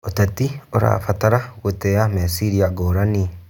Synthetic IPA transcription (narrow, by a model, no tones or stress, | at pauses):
otatioɾa̰fataɾaɣotɛamɛsiɾiaɡoɾani